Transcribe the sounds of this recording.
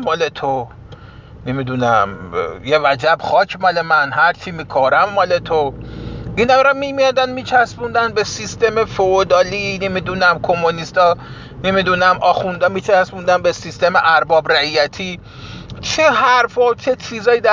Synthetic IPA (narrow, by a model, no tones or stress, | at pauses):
mɒːlet̪ʰo | nemid̪unæ̰mjevæd͡ʒæbxɒːcʰmɒlemænɦæɾt͡ʃʰimikʰɔɾæmːɒlet̪ʰoʔiːnæmɾɒmimijɒd̪ænmiːt͡ʃʰæsbund̪ænbe̞sist̪emefood̪ɒːlinemid̪unæmkʰomːonist̪ɒː | nemid̪unæmʔɒːxund̪ɒːmiːt͡ʃʰæsbund̪ænbesist̪e̞meʔæɾbɒːbɾæijæt̪ʰi | t͡ʃʰeɦæɾfɒt͡ʃʰe̞t͡ʃʰizɒːjid̪æ